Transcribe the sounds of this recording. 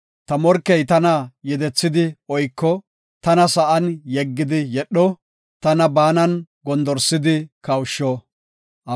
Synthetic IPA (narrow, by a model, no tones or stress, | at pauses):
t̪ɐmɔɾkːɛjt̪ɐnɐjɛd̪ɛt͡sːɪd̪ɪɔjkːɔ | t̪ɐnɐsɐʔɐnjɛɡːɪd̪ɪjɛɗːɔ | t̪ɐnɐbaːnɐnɡɔnd̪ɔɾsɪd̪ɪkɐwʃːɔ | ʔɐ